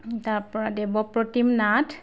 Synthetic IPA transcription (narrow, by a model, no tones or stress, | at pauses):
taɹpɔɹadɛbɔpɹɔtimnat